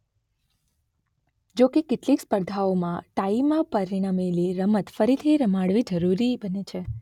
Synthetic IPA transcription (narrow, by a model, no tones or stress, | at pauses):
d͡ʒokekɪʈlikspəɾd̪ʱaomãʈaimãpəɾiɽ̃ameliɾəmət̪fəɾit̪ʰiɾəmaɽʋid͡ʒəɾuɾibənet͡ʃʰe